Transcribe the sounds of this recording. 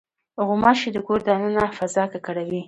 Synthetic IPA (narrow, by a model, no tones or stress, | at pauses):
ʊɣʊmɑʃed̪əkoɾd̪aanənafazɑkakaɽawi